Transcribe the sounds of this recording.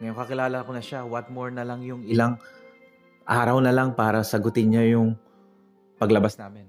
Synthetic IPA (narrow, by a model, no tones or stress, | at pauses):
mɐjʊkɐkɪlaːlɐkonɐʃawɐt̪̚moɹnɐlaŋjʊŋɪlaŋ | ʔaːɾɐwnɐlaŋpaːɾɐsɐɡʊt̪ɪnɲajʊŋ | pɐɡlɐbasnaːmɪn